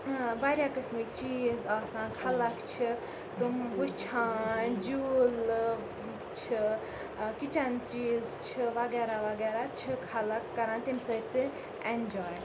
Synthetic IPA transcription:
ʋaɾjakɐsmikt͡ʃiːzaːsãːkʰalɐkt͡ʃʰi | t̪umʋut͡ʃʰãːd͡ʒuːl | t͡ʃʰi | kit͡ʃant͡ʃiːzt͡ʃʰiʋɐɡɛɾaʋɐɡeːɾat͡ʃʰikʰɐlɐkːɐɾãːnt̪imsət̪ɨ | end͡ʒɔːj

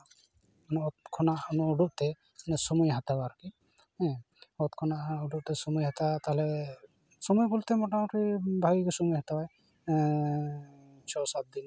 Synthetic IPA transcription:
nɔɔt̪kʰɔnaʔnɔːɖuʔt̪ɛ | sɔmujɦat̪abaɾki | ɛ̃ | ɔt̪kʰɔnaʔuɖuʔt̪ɛsɔmujɦat̪at̪aɦlɛ | sɔmujkult̪emɔʈamɔʈibʱaɡikɔsɔmujɦat̪abaj | sɔsat̪̚d̪in

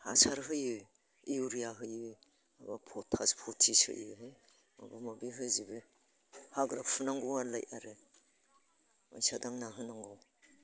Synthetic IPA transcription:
ha̰saɾɦɯjɯ | iuɾijaɦɯjɯ | abapʰɔtʰaspʰɔtʰisɯ̰jɯɦɯj | a̰bamabiɦɯzibɯ | haɡɾakpʰɯnaŋɡɔwala̰jʔaɾɯ | ma̰jsadaŋnaɦɯnaŋɡɔw

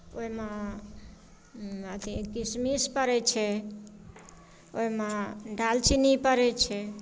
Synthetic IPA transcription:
oimẽ | ət̪ikismispəɾɛt͡ʃʰɛ | oimãɖalt͡ʃʰinipəɾɛt͡ʃʰɛ

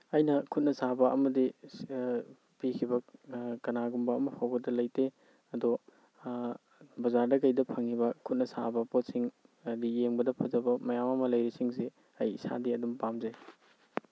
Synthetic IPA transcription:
ɐjnɐkʰut̚nɐsabɐʔɐmɐdi | pikʰibɐkɐnaɡumbɐːmɐpʰawɡɐdɐlɐjte | ɐdɔ | bɐzaɾdɐkɐjdɐpʰɐŋibɐkʰut̚nɐsa̰bɐpot̚siŋ | ɐdijeŋbɐdɐpʰɐzɐbɐmɐjamɐmɐlɐjɾisiŋse | ɐjisa̰diɐdumpamzɐj

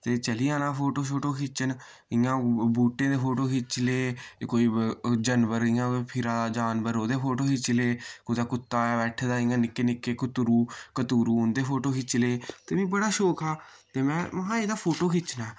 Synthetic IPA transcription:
t̪eːt͡ʃəliːãːnaːpʰoːʈoːʃ̬oːʈoːkʰɪt͡ʃən | ɪːãːbuːʈːẽːd̪eːpʰoːʈoːkʰɪt͡ʃleːkoːiːd͡ʒənʋəɾɪ̃ːãːpʰɪɾaːd̪aːd͡ʒaːnbəɾoːd̪eːpʰoːʈoːkɪt͡ʃleːkoːid̪aːkʊt̪ːaːbɛːʈʰd̪aːɪ̃ãːnɪkːeːnɪkːeːkʊt̪ɾuːkət̪uːɾũːʊnd̪eːpʰoːʈoːkʰɪt͡ʃleːt̪eːʋĩːbəɽaːʃoːkaːt̪eːmɛ̃ːməɦãːeːd̪aːpʰoːʈoːkɪt͡ʃnaː

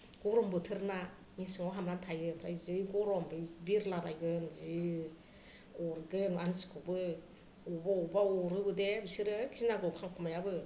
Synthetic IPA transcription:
ɡɔɾɔmbɯtʰɯɾna | misiŋɔɦamɾantʰajɯpʰɾa̰jzɯjɡɔɾɔmbɯjbiɾlabajɡɯnzi | ɔɾɡɯnansi̥kʰubɯ | ɔbaubaɔɾɯbɯdebisiɾɯkʰisnaɡɯkʰaŋkʰɔmajabɯ

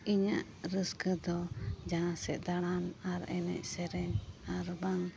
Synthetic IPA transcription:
iɲaʔ | ɾəskəd̪ɔd͡ʒaãsɛʔ̚d̪aɽanaɾɛnɛ̰c̚sɛɾɛɲaɾbaŋ

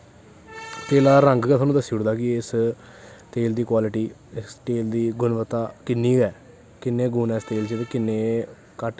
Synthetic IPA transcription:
t̪eːlaːɾəŋɡkɛːt̪ʰaːnũːd̪əsːiːʊɽd̪aːkɪɪs | t̪eːld̪iːkwaːlɪʈiː | ɪsʈeːld̪iːɡʊnʋət̪ːaːkɪnːiːɡɛː | kɪnːeːɡuːnɛːst̪eːlt͡ʃet̪eːkɪnːeː | kəʈ

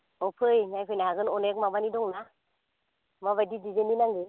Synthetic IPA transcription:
ɔpʰɯjŋajpʰɯjnaaɡɯnɔnek̚mabanidɔŋna | maβajdidid͡ʒeninaŋɡɯ

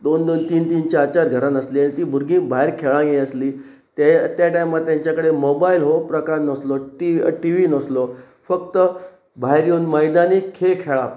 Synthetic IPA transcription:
d̪ond̪ont̪iːnt̪iːnt͡ɕaːt͡ɕaɾɡʱəɾanəsliaɽ̃it̪iːbʱuɾɡĩbʱaeɾkʰeɭãɡeəsliː | t̪t̪jaʈajmat̪t̪ːjãɲt͡ɕjakəɽemobailɦopɾəkaɾnəsloʈiə̰ʈiʋinəslo | fəkt̪ə | bʱaɦeɾjonməjd̪anikʰekʰeɭã

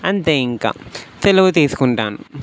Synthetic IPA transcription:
ɐnt̪eːiŋka̰ːt̪eluɡut̪̬iːsu̥kuɳʈaːnu

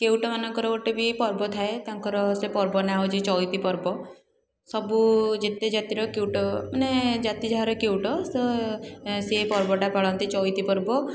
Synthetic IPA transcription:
kewʈɔmanɔŋkɔɾɔoʈebʱipɔɾbɔt̪ʰaet̪ãŋkɔɾɔsepɔɾbɔnaɦod͡ʒit͡ʃɔjt̪ipɔɾbɔ | sɔbud͡ʒet̪ed͡ʒat̪iɾɔkewʈɔmaned͡ʒat̪id͡ʒaɦaɾɔkewʈɔsɔ | sepɔɾbɔʈapaɭɔnt̪it͡ʃɔjt̪ipɔɾbɔ

